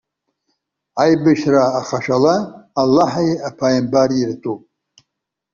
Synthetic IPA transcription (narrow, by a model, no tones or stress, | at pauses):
ajbɨʃraːχaʃalaːlːaħajapʰajmbaɾirtʼupʼ